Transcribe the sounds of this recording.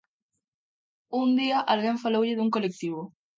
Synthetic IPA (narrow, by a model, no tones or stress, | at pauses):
und̪iaʔalɣeɱfalowʎɪðuŋkolek̚t̪iβ̞o